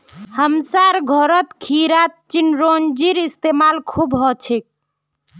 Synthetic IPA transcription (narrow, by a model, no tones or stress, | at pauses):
həmsaɾɡʱɔɾət̪kʰiɾat̪̚t͡ʃinɾond͡ʒiɾist̪emalkʰubɦɔt͡ʃʰik̚